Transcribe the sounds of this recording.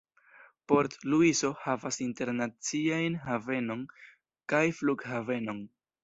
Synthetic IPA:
po̞ɾtluiso̞havasinte̞ɾnat͡siajnhave̞no̞n | kajfluɡhave̞no̞n

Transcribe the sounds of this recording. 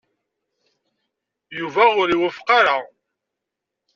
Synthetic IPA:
juvæʊɾiwəfqɑɾa

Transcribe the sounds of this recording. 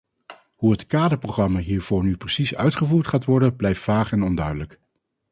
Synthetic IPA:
ɦuɦətkaːdəɹproχrɑmaːɦiːɹv̥ʊːɹnyprəsisœ̰ɥtχəvuːɹtχaːtʋɔɹdənblɛjftfaːχɛnɔndœɥdələk

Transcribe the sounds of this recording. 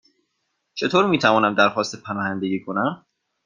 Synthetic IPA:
t͡ʃʰe̞t̪ʰoːɾmiːt̪ʰævɒːnæmd̪æɾxɒːst̪epʰænɒːhænd̪eɡiːkʰonæm

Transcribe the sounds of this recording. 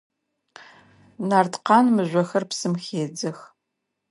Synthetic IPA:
naːrdqɑːnmɨʑʷɔxɐrpsɨmxeːd͡zɐx

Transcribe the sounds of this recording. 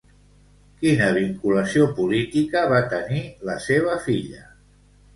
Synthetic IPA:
kinəβ̞iŋkuləsiopulit̪ikəβat̪əniləseβ̞əfiʎə

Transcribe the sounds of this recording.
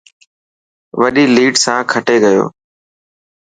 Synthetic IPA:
ʋəɗiːliːʈsãːkʰəʈeːɡəjo̰ː

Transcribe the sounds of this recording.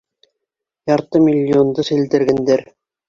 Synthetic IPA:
jɑɾt̪ɤmʲilʲːiond̪ɤsĭld̪ɘ̆ɾɡɘ̆nd̪ɘɾ

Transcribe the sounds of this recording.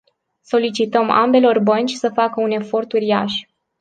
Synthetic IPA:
so̞lit͡ʃit̪əma̰mbe̞lo̞rbənt͡ʃʲsəfakəune̞fo̞rt̪uɾia̰ʃ

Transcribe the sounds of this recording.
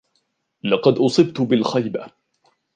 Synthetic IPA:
lɑqɑd̪ʔʊsˤɨbt̪ʊbɪlxajba

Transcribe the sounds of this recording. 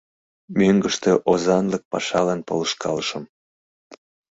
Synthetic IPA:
møŋɡəʃt̪eʔozɑnlək̚pɑ̰ʃɑlɑnpoləʃkʰɑ̰lʃəm

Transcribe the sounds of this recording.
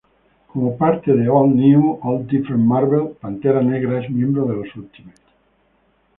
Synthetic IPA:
komopaɾt̪eðeɔlniwolt̪ifɾemmaɾβelpant̪eɾaneɣɾaezmjẽmbɾoð̞elosult̪imes

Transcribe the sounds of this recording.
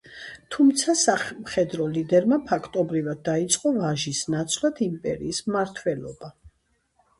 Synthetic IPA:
t̪ʰumt̪sʰasamχɛd̪ɾɔlid̪ɛɾmapʰakʰt̪ʼɔbɾivad̪̚ːait̪sʼqʼɔvaʒisnat̪sʰlˠad̪ʰimpʼɛ̰ɾḭːsmaɾt̪ʰwɛlɔ̰ba

